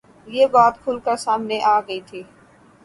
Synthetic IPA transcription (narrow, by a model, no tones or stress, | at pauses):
jeːbaːt̪kʰʊlkasaːmneʔaːɡɐit̪ʰiː